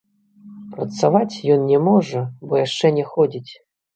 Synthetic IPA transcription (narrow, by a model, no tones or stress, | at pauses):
pɾɐt̪savat͡sʲjɔnnʲɛmɔʐɐbɔjaʂt͡ʂɛnʲɛxɔd͡zʲit͡sʲ